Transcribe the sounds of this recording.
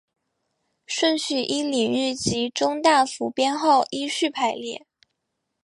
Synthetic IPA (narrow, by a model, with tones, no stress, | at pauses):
ʂwə˥˧nɕy˥˩ʔi˥li˨˩ŋy˥˩t͡ɕi˧˥ʈ͡ʂʊ˥ŋt̪a˥˩fu˧˥pjɛ˥nxo˥˩ʊʔi˥ɕy˥˩pʰa˥˩ɪljɛ̰˥˩˦